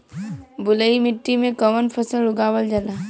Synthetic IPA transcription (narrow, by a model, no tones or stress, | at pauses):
bʊləimɪʈːimẽkɐʋənpʰɐsəlʊɡaːwəld͡ʒɐlaː